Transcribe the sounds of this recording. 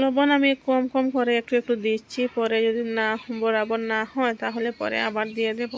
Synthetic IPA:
lobɔnamikɔmkɔmkɔɾeek̚ʈuek̚ʈud̪it͡ɕʰipɔɾed͡ʒod̪inahɔmbɔɾabɔnahɔet̪aɦolepɔ̰ɾḛa̰baɾd̪ijed̪ebo

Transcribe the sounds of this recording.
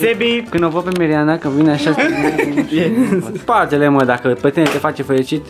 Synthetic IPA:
sebikɨnovəpemeɾianakəvineaʃak | espat̪eleməd̪akəpet̪enet̪e̞fat͡ʃefeɾit͡ʃit̪

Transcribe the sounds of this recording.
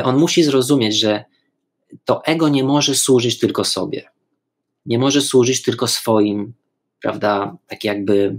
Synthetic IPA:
ʔɔnmuɕizɾɔzumʲjed͡ʑʐɛ | t̪ɔʔɛɡɔɲɛmɔʐɛswuʐɘt͡ɕt̪ɘlkɔsɔbʲjɛ̰ | ɲɛmɔʐɛswuʐɘt͡ɕt̪ɘlkɔsfɔjim | pɾa̰vd̪at̪akʲjaɡ̚bɘ

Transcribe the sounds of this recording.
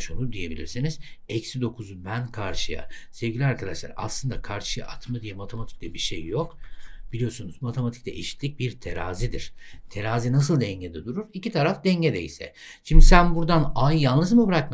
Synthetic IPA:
ʃonud̪ije̞bilʲiɾsiniz̥ɛcsid̪o̞kʰuzubænkʰaɾʃɯja̰se̞vɡɟilʲiaɾkʰad̪aʃlˠa̰ɾa̰slˠɯnd̪akʰaɾʃɯja̰ʔat̪mad̪ijɛmat̪ʰemat̪ʰi̥clʲɛbiɾʃḛjːokb̥ilʲijo̞ɾsunuzmat̪ʰe̞mat̪ʰi̥clʲɛʔeʃi̥t̪lʲic̚biɾt̪ʰeɾa̰ːzid̪iɾ̥t̪ʰe̞ɾaːzinas̬ɯlˠd̪ɛɲɟed̪ɛd̪uɾuɾicit̪ʰaɾafd̪ɛɲɟed̪eḭsɛ̰ | ʃimd̪isænbuɾd̪anajjallɯzmɯbɯɾakma

